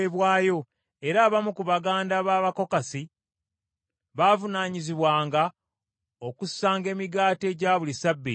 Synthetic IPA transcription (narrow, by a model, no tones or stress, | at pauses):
eβwaːjo̞ | e̞ɾaːβamukuβaɡaːndaβaːβako̞kasi | βaːvunaːɲiziβwaːŋɡa | o̞kusːaːŋɡe̞ːmiɡaːte̞ːɟaβulisabːi